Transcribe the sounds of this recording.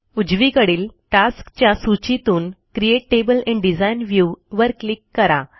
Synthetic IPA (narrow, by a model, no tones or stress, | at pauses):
ud͡ʑʋikəɽiːlʈaskt͡ɕjasut͡ɕit̪uːnkɾieʈːebəlɛ̃ɳɖid͡zajnʋjuʋəɾklikːəɾa